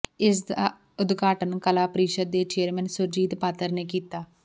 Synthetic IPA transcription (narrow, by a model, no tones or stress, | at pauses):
ɪsd̪aː | ʊd̪ɡaːʈənkəlaːpəɾiːʃəd̪̚ːeːt͡ʃeːəɾmɛnsʊɾd͡ʒiːd̪paːt̪əɾneːkiːt̪aː